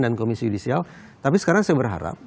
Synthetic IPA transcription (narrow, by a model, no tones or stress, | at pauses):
dankomisijudisialt̪apisə̥kaɾaŋsajabərɦa̰ɾa̰p̚